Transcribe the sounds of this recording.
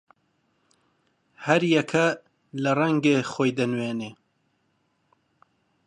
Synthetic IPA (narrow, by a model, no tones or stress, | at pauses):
hɐɾjɛkʰɐ | lɐrɐŋɡexoːjd̪ɐnweːneː